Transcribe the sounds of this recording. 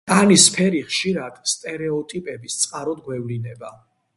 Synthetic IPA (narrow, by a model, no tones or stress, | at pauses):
anispʰɛɾiχʃiɾad̪̥st̪ʼɛɾɛɔt̪ʼipʼɛbist̪sʼqʼaɾɔd̪̚ɡwɛvlinɛba